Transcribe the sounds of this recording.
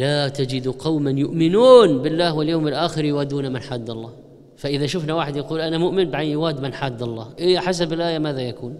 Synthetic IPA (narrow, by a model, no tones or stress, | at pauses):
laːt̪ad͡ʒɪd̪qɑwmanjʊʔmɪnuːnbɪlːaːhwɪljoːmɪlʔaːxɪɾjwaːd̪uːnamɪnħaːd̪ːɑlˤːɑːh | faʔɪðaʃʊfnawaːħɪd̪jaɑquːlʔanamʊʔmɪnbɪʕajjɪwaːd̪mɪnħaːd̪ːɑlˤːɑːhʔɪħas̬abɪlʔaːjamaːðajakuːn